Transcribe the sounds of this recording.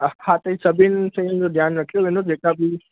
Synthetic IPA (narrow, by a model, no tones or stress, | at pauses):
hãt̪əisəbinsẽind͡ʒod̪ʱjaːnɾəkʰijoenõd͡ʒekabʱi